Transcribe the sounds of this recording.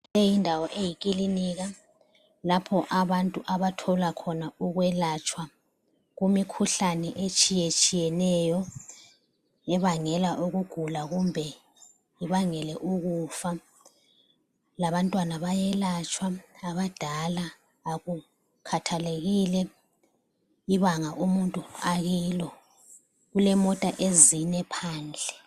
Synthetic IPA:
ejindʱawɔʔejikʼiliniɣa | lapʰɔʔaβantʼuʔaβatʰɔlakʰɔnauɣwɛlat͡ʃʰʼwa | ɣumikʰuɬanɛʔet͡ʃʼijet͡ʃʼijɛnɛjɔ | ɛβaŋɛlaʔuɣuɡ̥ʱulaɣumbʱɛ | iβaŋɛlɛʔuɣufa | laβantʼwanaβajɛlat͡ʃʼwaaβad̥ʱalaː | ɣu | kʰatʰaleɣilɛ | iβaŋaʔumuntʼuaɣiːlɔ | ɣulɛmɔtʼaʔeziɲɛpʰaːnd͡ɮʱɛ

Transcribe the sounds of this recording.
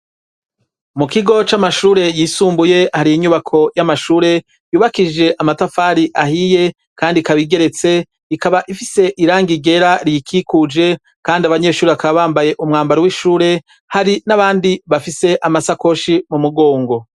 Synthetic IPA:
mukiɡo̞t͡ʃamaʃuːɾe̞jiːsuːmbuje̞haɾijiɲuβakʰo̞jamaʃuːɾe̞ | juːβakid͡ʒe̞ʔamatafaːɾiʔahije̞ | kaːndikaβiɡe̞ɾe̞t͡se̞ | ikaβaʔifise̞ʔiɾaːŋɡiɡe̞ɾaɾijikʰikud͡ʒe̞ | kaːndiaβaɲe̞ːʃuːɾeβakaβaβaːmbaje̞ʔumŋaːmbaɾowiʃuːɾe̞ | haɾinaβaːndiβafise̞ʔamasako̞ʃimumuɡo̞ːŋɡo̞

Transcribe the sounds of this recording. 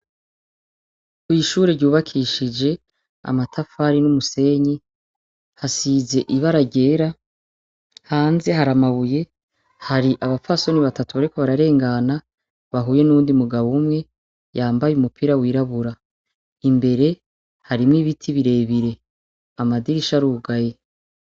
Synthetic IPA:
kwiːʃuːɾeɾɟuːβakʰiʃid͡ʒe̞ | a̰matʰafaɾinumuse̞ɲi | hasize̞ʔiβaɾaɟe̞ːɾa | haːnze̞ɦaɾamaβuje̞ | haɾiʔaβafaso̞niβatatuβaɾiko̞βaɾaɾe̞ːŋɡana | βaɦuːje̞nuːndiumuɡaβumŋe̞ | jaːmbajumupʰiɾawiːɾaβuɾa | imbe̞ɾe̞ | haɾimŋiβitʰiβiɾe̞βiɾe̞ | amadiɾiʃaɾuːɡaje̞

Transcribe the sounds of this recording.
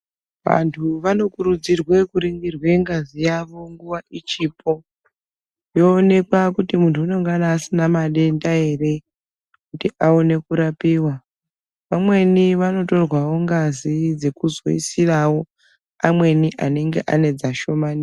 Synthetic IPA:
ʋa̰ntʰuʋano̞kuɾud͡zirwe̞kuɾiŋɡirwe̞ŋɡazijaʋo̞ŋɡuʋaʔit͡ʃiːpʰo̞ | jo̞ːne̞kwakutimuntʰuːno̞ŋɡanaːsinamaɗe̞ndae̞ɾe̞ | kutiʔaone̞kuɾapiːwa | ʋamwe̞niʋano̞to̞rwawo̞ŋɡazid͡ze̞kuzo̞̰ḭsirawo̞ | amwe̞niʔane̞ŋɡe̞̰ʔa̰ne̞d͡zaʃo̞mani

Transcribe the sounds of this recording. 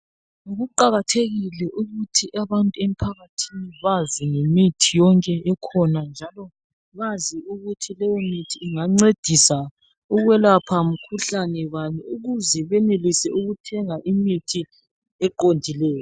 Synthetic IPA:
ŋoɣuǃaɣatʰeɣilɛʔuɣutʰiʔaβantʼuem̩pʰaɣatʰiniβaziŋemitʰijɔŋkʼɛɛkʰɔnand͡ʒʱalɔ | βaziuɣutʰilɛjɔmitʰiːŋaŋ͡ǀed̥ʱisa | uɣwɛlapʰam̩kʰuɬanɛβaniuɣuzɛβɛnelisɛʔuɣutʰɛŋaʔimitʰi | ɛǃondʱilɛːjɔ

